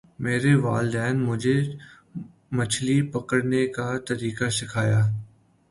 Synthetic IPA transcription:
meːɾeʋaːld̪ɛːnmʊd͡ʒʱe | mɐt͡ʃʰlipɐkəɽnekat̪ɐɾiːkasɪkʰaːjaː

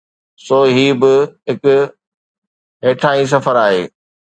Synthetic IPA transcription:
soːɦiːbɪɦɪkʊ | ɦeːʈʰaːĩs̬ɐfəɾaːɦeː

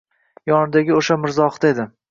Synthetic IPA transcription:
jɒnɪd̪aɡʲɪoʃamɪɾzɒχt̪aed̪ɪ

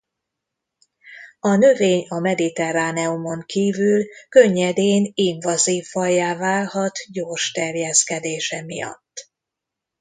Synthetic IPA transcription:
ɒnø̞veːɲɒmɛd̪it̪ɛraːnɛumo̞ŋkiːvylkø̞ɲːɛd̪eːniɱvɒziːfːɒjaːvaːlhɒt̪ɟoːrʃt̪ɛrjɛskɛd̪eːʃɛmḭjɒ̰t̪ː

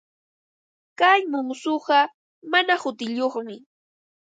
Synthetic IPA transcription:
kajmʊmsʊɢɑ | manahʊt̪ɪʎoχmɪ

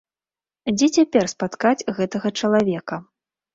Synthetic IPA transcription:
d͡zʲɛt͡sʲapʲɛrspat̪kad͡zʲɣɛt̪ɐɣɐt͡ʂɐlˠavʲɛkɐ

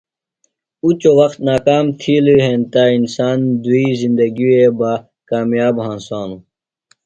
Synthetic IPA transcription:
ut͡ɕowɐkt̪naːkaːmt̪ʰiliɦẽːnt̪ainsaːnd̪uizind̪ɐɡieba | kaːmjaːbɦãːnsaːnu

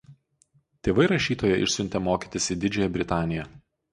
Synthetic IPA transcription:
t̪ʲeːʋɐɪɾɐʃʲiːt̪oːjɛʔɪ̰ʃʲsʲʊnʲt̪ʲɛmoːkʲiːt̪ʲɪsʲiːd̪ʲɪd͡ʒʲɛːjɛbʲɾʲɪt̪ɑːnʲɪjɛ

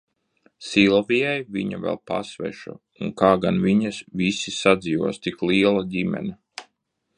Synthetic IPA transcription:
silˠɔvʲijajvʲiɲa̰vɛ̰lˠpa̰svɛ̰ʃṵ | uŋkaːɡanviɲasvʲisisad̪ziːvuɔst̪iklˠiɛlˠadʲimɛ̰nɛ

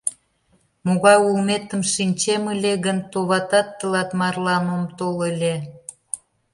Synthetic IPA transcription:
moɣɑjulmet̪əmʃinʲt͡ɕeməlʲeɣənt̪oβɑt̪ɑt̪ːəlɑt̪mɑrlɑnəmt̪oləlʲe

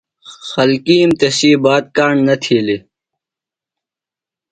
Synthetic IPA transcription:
xɐlkiːmt̪esiːbaːt̪̚kaːɳnɐt̪ʰiːli

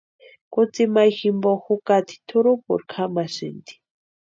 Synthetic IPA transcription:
kut͡simajximbɔxukat̪ʰi̥t̪ʰuɾupṵɾkʰamasint̪i̥

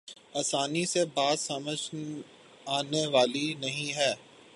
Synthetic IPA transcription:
aːsaːnisebaːd̪sɐməd͡ʒʱ | aːneʋaːlinɐɦĩɦɛː

